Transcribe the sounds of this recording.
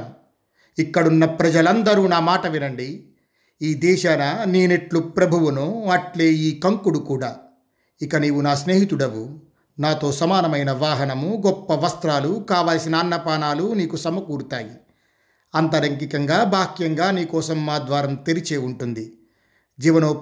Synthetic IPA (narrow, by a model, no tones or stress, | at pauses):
m | ikːɐɽunːɐpɾɐd͡ʒɐlɐnd̪ɐɾuːnaːmaːʈɐʋinɐɳɖi | iːd̪ɛːʃaːnɐniːneʈlupɾɐbʱuʋunoɐʈle̞ːiːkɐŋkuɽukuːɽaː | ikɐniːʋunaːsne̞ːɦit̪uɽɐʋu | naːt̪o̞ːsɐmaːnɐmɐjnɐʋaːɦɐnɐmuɡɔpːɐʋɐst̪ɾaːlukaːʋaːlsinɐːnːɐpaːnaːluniːkusɐmɐkuːɽut̪aːji | ɐnt̪ɐɾɐŋk̬ikɐŋɡaːbʱaːkjɐŋɡaːniːkɔːsɐmːaːd̪ʋaːɾɐmt̪eɾit͡ʃe̞ːuɳʈund̪i | d͡ʒiːʋɐnoː